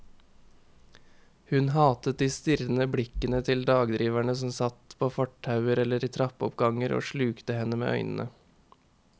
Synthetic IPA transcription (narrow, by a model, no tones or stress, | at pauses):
hʉnhɑːt̪ət̪̚d̪iːst̪ɪɾn̩əbɽɪkənət̪ʰɪld̪ɑːɡd̪ɾiːʋæɳəsɔmsɑt̪pʰoːfɔʈʰːɑʉəɾɛləɾiːt̪ʰɾɑpɔpɡɑŋəɾo̰ːʃɭʉːkt̪əhɛnəmḛːʔœ̰ʏnən̩ʔə̰